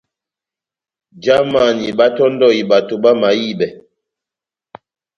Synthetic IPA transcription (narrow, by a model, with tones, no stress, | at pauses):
d͡ʒa˦ma˨ni˨ba˦tɔ˦n˦dɔ˦˨i˨ba˨to˨ba˦ma˨˦ji˦˨bɛ˨